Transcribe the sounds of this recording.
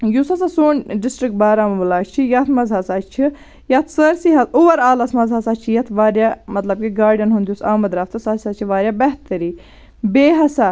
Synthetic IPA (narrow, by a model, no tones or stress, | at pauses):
jusɐsɐsoːnɖɪsʈɾik̚ʈ̚baːɾaːmɐbɐlaːt͡ʃt͡ʃʰijɐt̪ʰmɐzɦɐsat͡ʃt͡ʃʰi | jɐt̪ʰsəɾsiɦɐt̪ʰuʋɐɾaːlɐsmɐzɦɐsat͡ʃʰijɐt̪ʰʋaːɾjaːmɐt̪lɐb̚kiɡaːɾɖɐnɦund̪ʲjusaːmɐd̪ɾaːft̪ʰɐsɐssɐt͡ʃʰiʋaːɾjaːbɛɦt̪ɐɾiː | beːɦɐsa